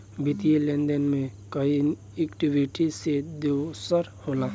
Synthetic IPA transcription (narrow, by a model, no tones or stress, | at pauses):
bɪt̪ielẽnd̪ənmẽkəin | ekʈiwiʈised̪esəɾhoːlãː